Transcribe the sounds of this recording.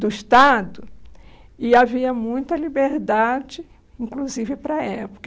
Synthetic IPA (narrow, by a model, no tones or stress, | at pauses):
d̪ʊiʃt̪ad̪ʊ | ɪaviɐmũj̃t̪ɐlibeɾd̪ad͡ʒɪ | ĩŋkluzivɪpɾɐɛpo̥kɐ